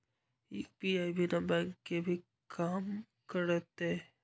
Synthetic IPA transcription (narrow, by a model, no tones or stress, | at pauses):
ipiaːibinabɛ̃ːŋkːebʱi | kʰaːm | kəɾət̪e